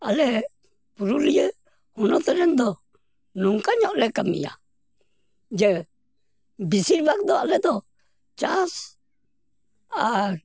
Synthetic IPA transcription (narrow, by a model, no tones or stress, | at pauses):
alɛ | puɾulijə | hɔnɔt̪ɛɾɛnd̪ɔ | nuŋkaɲɔʔlɛkamḭja̰ | d͡ʒɛ | bisiɾbak̚d̪ɔalɛd̪ɔ | t͡ʃas | a